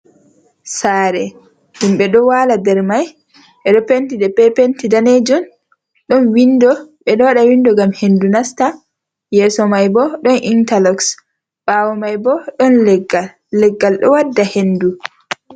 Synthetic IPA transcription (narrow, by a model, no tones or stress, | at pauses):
saːɾɛ | humɓɛɗɔwaladɛɾmaj | ʔɛɗɔpentidɛpɛpentidaned͡ʒɔn | ɗɔnwindɔɓɛɗɔwaɗawindɔɡamhendunasta | jɛːsɔmajbɔɗɔnintalɔks | ɓaːwɔmajbɔɗɔnlɡː | ɛɡːalɗɔ̰wadːahendu